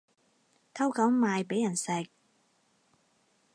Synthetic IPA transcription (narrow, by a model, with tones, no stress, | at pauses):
t̪ʰɐ˥wkɐ˨˥wmaː˨˧jpe˨˥jɐ˨˩nsɛ˨˧k̚